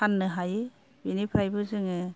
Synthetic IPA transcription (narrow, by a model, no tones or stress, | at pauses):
anːɯɦajɯ | binipʰɾajbɯzɯŋɯ